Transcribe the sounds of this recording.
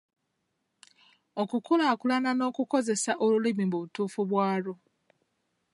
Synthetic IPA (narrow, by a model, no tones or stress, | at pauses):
okukulakulanano̞ːkuko̞ze̞saʔolulimibuβutuːfuβwaːɾo